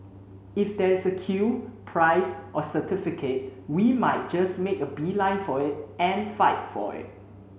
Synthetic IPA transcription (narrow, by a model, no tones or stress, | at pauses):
ɪfdɛɪsəkʰupʰɹaɪsʔɔsətɪfɪkʰet̚wimaɪt̚d͡ʒasmekəbilãɪ̃nfɔɪt̚ɛ̃nfaɪt̚fɔ̰ɪ̰t̚